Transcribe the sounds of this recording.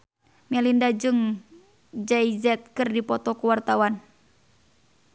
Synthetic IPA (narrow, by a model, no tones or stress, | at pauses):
mɛlindad͡ʒɨŋ | d͡ʒaizɛt̪̚kɨrdipɔt̪ɔkuwart̪awan